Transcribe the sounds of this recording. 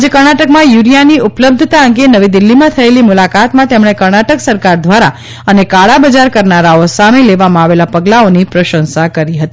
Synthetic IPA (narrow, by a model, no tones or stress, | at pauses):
d͡ʒekəɾɳaʈəkmãjuɾijaniʔupləb̚d̪ʱət̪aəŋɡenəʋid̪ɪlːimãt̪ʰəelimulakat̪mãt̪emɳekəɾɳaʈəksəɾkaɾd̪ʱʋaɾa | ənekaɭabəd͡ʒaɾkəɾnaɾaosamẽleʋamãaʋelapəɡlaonipɾəʃə̃nsakəɾiɦət̪i